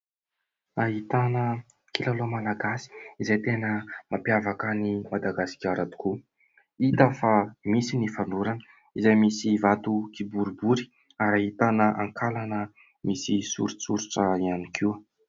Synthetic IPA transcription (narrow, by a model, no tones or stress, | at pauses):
aɦit̪anə | kilalomalaɡasi̥izajt̪enəmapjavakənimad̪aɡasi̥kʲaɾat̪i̥ku | it̪əfamisinifanuɾanə | izajmisivat̪ukibuɾubuɾi̥ | aɾaɦit̪anəʔa̰ŋkʰalanə | misisṵɾut͡suɾuʈ͡ʂəianikʰiw